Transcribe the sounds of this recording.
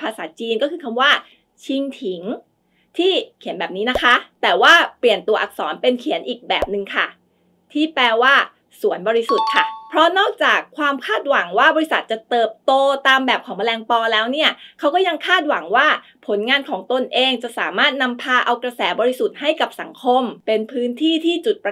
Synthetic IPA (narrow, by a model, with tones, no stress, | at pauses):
pʰaː˧sa̰ː˩˦t͡ɕiː˧nkɔː˥˩kʰɯː˧kʰa˧mwaː˥˩ | t͡ɕʰi˧ŋt̪ʰi˩˦ŋ | t̪ʰiː˥˩kʰi˩˦nbɛː˨˩p̚niː˦˥na˦˥kʰa˦˥t̪ɛː˨˩waː˥˩pli˨˩ənt̪u˧ɐʔa̰˨˩k̚sɔ̰ː˩˦npe˧nkʰi˨˩˦nʔiː˨˩k̚bɛː˨˩p̚nɯ˨˧ŋkʰa˥˩ | t̪ʰiː˥˩plɛː˧waː˥˩ | su˩˦ənbɔː˧ɾi˦˥su˨˩t̪̚kʰa˥˩pʰɾɔ˦˥nɔː˥˩k̚t͡ɕaː˨˩kʰːwaː˧mkʰaː˥˩t̪̚wa˨˩˦ŋwaː˥˩bɔː˧i˧˥sa˨˩t̪̚t͡ɕa˨˩t̪ɤː˨˩p̚t̪oː˧t̪aː˧mbɛː˨˩p̚kʰɔː˩˦ŋma˧lɛː˧ŋpɔː˧lɛː˦˥wni˥˩ɐkʰa˦˥wkɔː˥˩ja˧ŋkʰaː˥˩t̪̚wa˨˩˦ŋwaː˥˩ | pʰo˩˦nŋaː˧nkʰɔː˩˦ŋt̪o˧nʔeː˧ŋt͡ɕa˨˩ʔsaː˩˦maː˥˩t̪̚na˧mpʰaː˧ʔa˧wkɾa˧sɛː˩˦bɔː˧ɾi˦˥su˨˩t̪̚ɦa˥˩jka˨˩p̚sa˩˦ŋkʰo˧mpe˧npʰɯː˦˥nt̪ʰiː˥˩t̪ʰiː˥˩t͡ɕu˨˩t̪̚p